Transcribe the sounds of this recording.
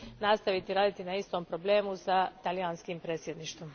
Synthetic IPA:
nast̪aʋit̪iɾaːd̪it̪inaist̪o̞ːmpɾo̞ble̞ːmusat̪alijaːnskimpɾet̪sʲjed̪niʃt̪ʋom

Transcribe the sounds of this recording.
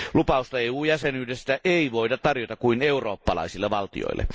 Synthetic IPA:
lupɑust̪ɑeːuːjæsenyːdest̪æʔeˑiʋoˑitɑt̪t̪ɑrjot̪ɑkuineˑuroːpːɑlɑ̰ˑisilːeʋɑlt̪ḭo̰ilːḛ

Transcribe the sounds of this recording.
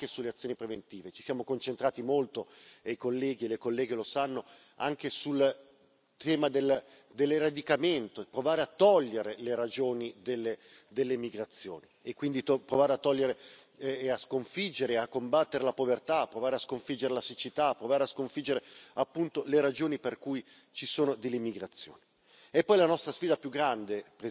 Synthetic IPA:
kesulːeat̪sːjoːnipɾevent̪iːvet͡ʃi̥sjaːmokont͡ʃent̪ɾaːt̪imolt̪oejkolːɛːɡielekolːɛːɡelosanːo | a̰ŋk̟esul | t̪ʰɛːmad̪el | d̪elrad̪ikament̪opɾovaːɾeat̪ːɔʎːeɾeleɾad͡ʒoːnid̪elːe | d̪elːemiɡɾat̪sːjo̰ːniekːwind̪it̪opɾovaːɾeat̪ːɔʎːeɾe | askoɱfid͡ʒːeɾeakːombat̪ːeɾelapovert̪apːɾovaːɾeaskoɱfid͡ʒeɾelasit͡ʃit̪aːpːɾovaːɾeaskoɱfid͡ʒːeɾeapːunt̪oleɾad͡ʒoːniperkuj | t͡ʃisoːnod̪elːimiɡɾat̪sːjo̰ːni | ɛpːɔjlanɔst̪ɾasfiːd̪apjuɡːɾand̪ep

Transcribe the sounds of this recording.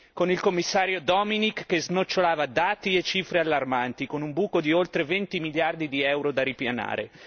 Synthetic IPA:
konilkomːisːaːɾjod̪ɔminikːeznot͡ʃːolaːvad̪aːt̪iet͡ʃːiːfɾealːarmant̪ikonumbuːkod̪iolt̪ɾevent̪imiljard̪id̪iɛwɾod̪aɾipjana̰ːɾḛ

